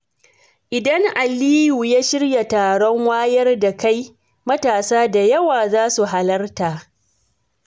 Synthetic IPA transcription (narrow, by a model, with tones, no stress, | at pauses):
ʔɪ˨dɐ˦ŋʔa˨liː˦ju˨jaː˦ʃɪ˦rja˨taː˨ɽɔ˦ŋwaː˦jɐ˦rda˨ka˦j | mɐ˦taː˨saː˦da˨jɐ˦waː˨zaː˦su˨ɦa˨lɐ˦rtaː˨